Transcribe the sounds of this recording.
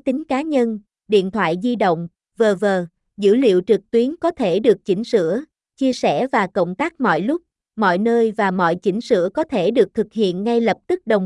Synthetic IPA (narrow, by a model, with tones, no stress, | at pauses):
t̪ï˨˦ŋ̟kaː˨˦ɲə˧n | ɗḭ˧˨ənt̪ʰwa̰ː˧˨jzi˧ɗə̰˧˨wŋ͡m | vəː˨˩vəː˨˩ | zɨ̰˧˥lḭ˧˨əwt͡ɕɨ˨˩k̚t̪wi˨˦ənkɔ˨˦t̪ʰe˧˩ɗɨ˨˩ək̚t͡ɕï˧˥ŋ̟sɨ̰˧˨ə | t͡ɕi˧əsɛ˧˩vaː˨˩kə̰˧˨wŋ͡mt̪aː˦˥k̚mɔ̰˧˨jlʊ˦˥k͡p̚ | mɔ̰˧˨jnəː˧jvaː˨˩mɔ̰˧˨jt͡ɕï˧˥ŋ̟sɨ̰˧˨əkɔ˨˦t̪ʰe˧˩ɗɨ˨˩ək̚t̪ʰɨ˨˩k̚hḭ˧˨ənŋa˧jlə˨˩p̚t̪ɨ˦˥k̚ɗə˨˩wŋ͡m